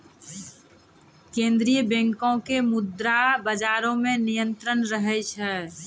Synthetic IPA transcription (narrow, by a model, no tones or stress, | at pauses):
kẽnd̪ɾijəbẽŋkõkemʊd̪ɾabəd͡ʒaɾõmẽnijə̃nt̪ɾənɾəɦɛt͡ʃʰɛ